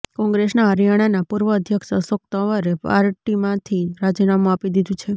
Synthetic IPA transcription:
kɔ̃ŋɡɾesnaəɾjaɽ̃anapuɾʋəːd̪ʱjəkʃəsok̚t̪əʋəɾepa̰ɾʈimãt̪ʰiɾad͡ʒinamũapid̪id̪ũt͡ʃʰe

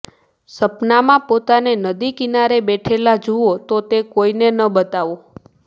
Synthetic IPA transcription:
səpnamãpot̪anenəd̪ikinaɾebɛʈʰelad͡ʒuot̪ot̪ekoinenəbət̪aʋo

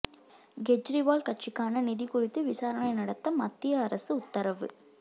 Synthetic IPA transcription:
ɡɛd͡ʒɾiʋaːlkɐʈt͡ʃɪkːaːnɐnɪðikʊrɪt̪ːɯʋɪsaːɾɐɳɐɪnɐɽɐt̪ːɐmɐt̪ːɪjɐːɾɐsɯʊt̪ːɐɾɐʋɯ̰

